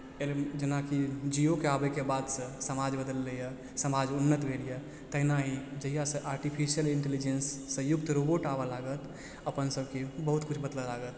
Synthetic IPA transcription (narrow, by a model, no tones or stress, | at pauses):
eld͡ʒənakid͡ʒijokeabɛkebad̪sə̃səmad͡ʒbəd̪əlːəjə | səmad͡ʒunːət̪bʱelijə | t̪əɦinaɦid͡ʒəɦijasə̃ʔaɾʈipʰisijəliɳʈelid͡ʒensːə̃juk̚t̪ɾoboʈabəlaɡət̪ | əpənsəbkebəɦut̪kut͡ʃʰbəd̪ləlaɡət̪